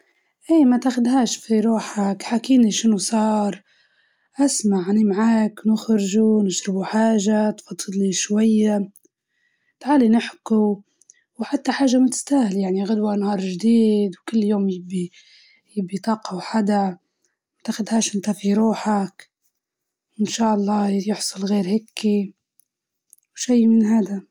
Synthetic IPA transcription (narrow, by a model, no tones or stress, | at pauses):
ʔiːmat̪axʊd̪ɦaːʃfiɾuːħakħakiːniʃɪnusˤɑːɾˤ | ʔasmaʕanimaʕaːkwnɪxɾɪʒunɪʃɾɪbuħaːʒat̪fɑt̪ˤːɨd̪niʃwajːa | t̪ʕaːlinɪħku | wħat̪ːaħaːʒːamʊt̪ɪ̥st̪aːhɪljaʕniɣʊd̪wanhɑːɾˤʒd̪iːd̪wkɪlːjoːmjɪbːi | jɪbːit̪ˤɑːqɑwħad̪a | t̪axʊd̪haːʃʔɪnt̪afiɾuːħak | wɪnʃaːʔɑlˤːɑːjɪħsˤɑlɣeːɾhɪkʰːi | wʃijːmɪnɦaːd̪a